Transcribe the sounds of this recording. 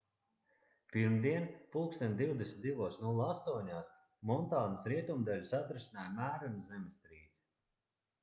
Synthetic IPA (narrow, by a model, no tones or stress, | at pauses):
piɾmd̪iɛnpulˠkst̪ɛnd̪iwd̪esʲnʲt̪d̪ivuɔsnulˠast̪uɔɲaːs | mɔnt̪aːnasɾiɛt̪umd̪alʲusat̪ɾesinaːjmæːɾunʲzɛmɪst̪ɾiːd̪z̥